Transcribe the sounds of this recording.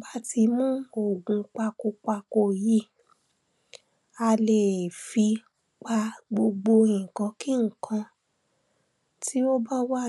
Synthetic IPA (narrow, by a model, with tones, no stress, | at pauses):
ba˦ti˧mũ˦o˨ɡũ˧k͡pa˧ko˧k͡pa˧ko˦˨ji˦ | a˧le˨fi˧ | k͡pa˧ɡ͡bo˧ɡ͡bo˧ẽ˨kã˨˧˦ki˦ŋ̩˨kʰã˧ | ti˦o˦ba˦wa˦˨